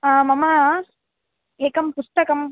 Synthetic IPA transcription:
aːmɐmɐ | eːkɐmpʊst̪ɐkɐm

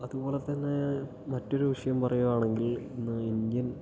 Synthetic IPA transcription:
ɐðubo̞ːɭe̞t̪ɐnːe̞ | mɐtːo̞ɾuʋiʂɐjɐmpɐrɐjuaːɳe̞ŋɡilinːɨindjɐn

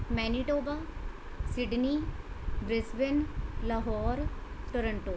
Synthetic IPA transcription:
mɛːniʈoːba | sɪɖni | bɾesʋɪnlaɦɔːɾʈəɾəɳʈoː

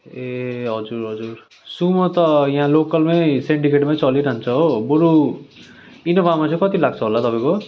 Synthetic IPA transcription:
eɦʌd͡zuɾɦʌd͡zur | sumʌt̪ʌjaɦãlokʌlmesiɳɖikeʈmajt͡sʌliɾant͡sʰʌoboɾu | inʌbamat͡sʰʌ̃kʌt̪ilaɡ̚t͡sʰʌɦolat̪ʌpãj̃ko

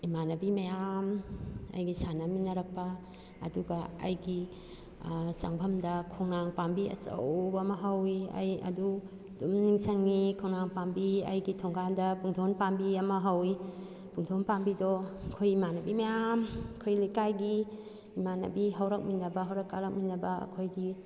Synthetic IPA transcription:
imanɐbimajamɐ̰jɡisanɐminɐɾɐk̚pɐ̰ː | duɡɐɐ̰jɡi | sɐŋbʱɐmdɐkʰoŋnaŋpambiɐ̰sɐ̰wbɐmɐɦawiɐ̰jɐ̰du | dumniŋsɐŋːikʰoŋnaŋpambiɐ̰jɡitʰɔŋɡandɐpuŋtʰonpambiɐmɐɦawi | puŋtʰonpambidɔkʰojimanɐbimajamkʰojlikajɡi | imanɐ̰biɦɐwɾɐk̚minɐbɐɦawɾɐkːaɾɐk̚minɐbɐɐ̰kʰojɡi

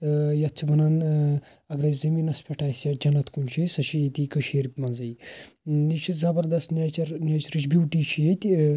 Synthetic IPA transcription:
jɐt̪̚t͡ʃʰiʋɐnan | ɐɡɾɐzɐmiːnɐspʰʲeʈʰaːsjɐd͡ʒɐnɐt̪ʰkunt͡ʃʰisɐʃʰijit̪ikɐʃeːɾipʲmɐnzɐj | it͡ʃʰizɐbɐɾd̪ɐst̪net͡ʃɐɾnʲeːt͡ʃɐɾit͡ʃʰʲbʲjuːʈiːt͡ʃʰijet̪ʲ

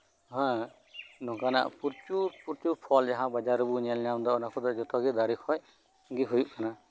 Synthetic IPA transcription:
ɦã | nɔ̃kana̰ʔpuɾt͡ʃupuɾt͡ʃupʰɔld͡ʒaɦãbad͡ʒaɾɔbuɲalinawnd̪ɔɔnakʰud̪ɔd͡ʒɔt̪ɔɡid̪aɾikʰɔj | ɡiɦujuʔkana

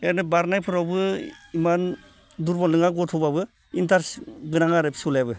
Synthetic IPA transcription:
enɯbaɾnajpʰɯɾawbɯiman | duɾbɔlnɯŋaɡɔtʰɔbabɯ | intʰaɾsɡɯnaŋaɾɯpʰi̥sulajbɯ

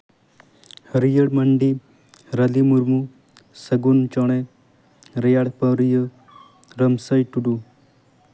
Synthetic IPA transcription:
həɾijəɽməɳɖi | ɾɐlimuɾmu | səɡunt͡ʃɔɽ̃e | ɾejaɽpəɾijə | ɾəmsəjʈuɽu

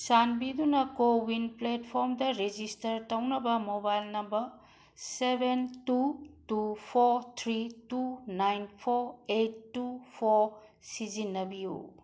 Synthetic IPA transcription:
sanbidunɐkowinpletpʰoɾmdɐɾed͡ʒistɐɾtɐwnɐbɐmobajlnɐmbɐɾ | sebʱentutupʰoɾt̪ʰɾitunajnpʰoɾetːupʰoɾ | sid͡ʒinːɐbijṵ

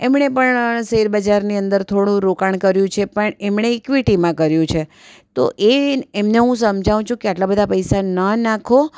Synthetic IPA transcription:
emɳepəɳsiɾbəd͡ʒaɾniənd̪əɾt̪ʰoɽ̃ũɾokaɳ̃kəɾjũt͡ʃʰepəɳemɳeːkʋiʈimãkəɾjũt͡ʃʰe | t̪o̰ʔeemneɦũsəmd͡ʒʱaʋũt͡ʃʰũkeaʈlabəd̪ʱapəjsanənakʰo

